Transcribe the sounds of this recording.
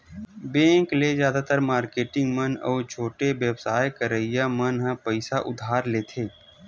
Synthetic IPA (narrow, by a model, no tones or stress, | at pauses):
bẽːŋklezjaːd̪at̪əɾmaːɾkeːʈɪ̃ŋɡmənɔːt͡ʃʰoːʈeʋebsaːjkəɾəɪjamənɦə̃pəɪsaʔʊ̰d̪ʱaːɾleːt̪ʰeː